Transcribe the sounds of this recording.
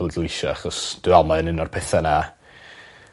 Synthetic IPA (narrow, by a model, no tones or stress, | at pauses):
əlˠduɪʃɔaχɔsd̥ɨːamaənɪnɔrpʰɛθana